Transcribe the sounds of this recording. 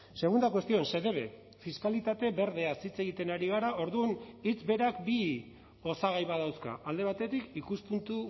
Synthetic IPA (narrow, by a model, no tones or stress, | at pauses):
se̞ɣ̞und̪akwe̞st̪io̞nse̞ðe̞βe̞̰ | fiskalit̪at̪e̞be̞ɾðe̞asit͡se̞ɣ̞it̪e̞naɾiɣ̞aɾaʔo̞ɾðunit͡sbe̞ɾakbi | o̞saɣajβaðawska̰ʔald̪e̞β̞at̪e̞t̪ikikuspunt̪u